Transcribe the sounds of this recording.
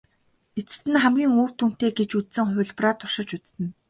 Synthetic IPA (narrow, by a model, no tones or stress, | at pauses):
et͡sɘ̥̆t̪ɘ̆nχæmɡʲiːŋoːr̥t̪un̥t̪eːɡet͡ɕut͡ssɘ̆ŋχʊ̟ɮprat̪ʰʊr̥ʃɪ̆t͡ɕut͡st̪ɘ̆n